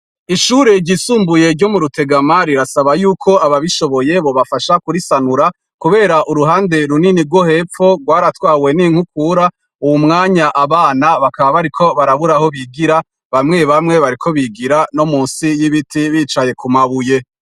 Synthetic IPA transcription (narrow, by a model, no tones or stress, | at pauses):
iʃuːɾeɾɟisuːmbuje̞ɾɟo̞muɾute̞ɡamaɾiɾasaβajuːkʰo̞aβaβiʃo̞βo̞je̞βo̞βafaʃakuɾisanuɾa | kuβe̞ːɾaʔuɾuɦaːnde̞ɾuniniɾɡwo̞he̞p͡fo̞ɡɡwaːɾatwaːwe̞niŋ̥hukuːɾa | uwumŋaːɲaʔaβaːnaβakaβaβaɾikʰo̞βaɾaβuɾaho̞βiɡiɾa | βamŋe̞βamŋe̞βaɾikʰo̞βiɡiɾano̞muːnsijiβitʰiβiːt͡ʃaje̞kumaβuje̞